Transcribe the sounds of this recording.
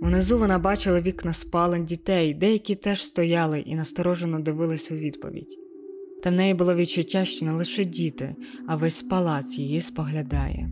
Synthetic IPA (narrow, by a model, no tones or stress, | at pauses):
unezuʋɔnɑbɑt͡ʃɪlˠɐʋʲiknɐspɑlˠendʲit̪ɛjd̪ɛjɐkʲit̪ɛʒ̥st̪ɔjɑlˠɪʔḭnɐst̪ɔɾɔʒenɔd̪ɪʋɪlˠɪsʲɐuʋʲid̪pɔ̰ʋʲḭdʲ | t̪ɐwnɛjibʊlˠɔʋʲit͡ʃʊtʲːaʃt͡ʃɔnɛlˠɪʃɛdʲit̪ɪ̰ɐʋɛsʲpɐlˠɑt̪sjijispɔɦlʲɐd̪ɑ̰jɛ̰